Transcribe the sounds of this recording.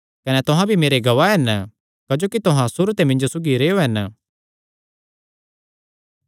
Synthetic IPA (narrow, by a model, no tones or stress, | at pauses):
kɐnɛt̪ʊɦãbʱimeːɾeɡɐʋaɦɛn | kɐd͡ʒoːkit̪ʊɦãsʊɾt̪emɪ̃ɲd͡ʒosʊɡiɾeːoɦɛn